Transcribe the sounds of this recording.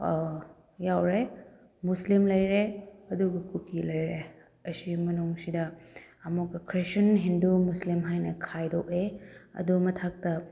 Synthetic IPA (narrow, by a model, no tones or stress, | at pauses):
jawɾe | muslimlɐjɾeɐduɡukukilɐjɾe | ɐsimɐnuŋsidɐɐmukɐkʰɾesɐnɦindumuslimɦajnɐkʰajdokeɐ̰dumɐtʰak̚tɐ